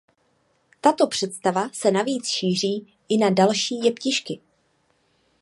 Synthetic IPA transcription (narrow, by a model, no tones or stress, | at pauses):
t̪at̪o̞pr̝̥ɛt̪st̪avasɛnaviːt͡sʃiːr̝iː | ʔɪnadalʃiːjɛpcɪʃkɪ